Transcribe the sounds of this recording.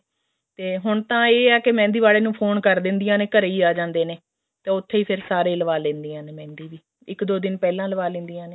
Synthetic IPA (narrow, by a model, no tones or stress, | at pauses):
t̪eːɦʊɳt̪ãːeːɛːkemɛ̃ːnd̪iːʋaːleːnũːpʰoːnkəɾd̪ɪ̃nd̪ijãːneːkəɾeiːaːd͡ʒãːnd̪eːneː | t̪ẽːʊt̪ʰːeːiːpʰɪɾsaːɾeːləʋaːlẽːnd̪ijãːneːmɛ̃ːnd̪iːʋiː | ɪkd̪oːd̪ɪnpɛːlãːləʋaːlẽːnd̪ijãːneː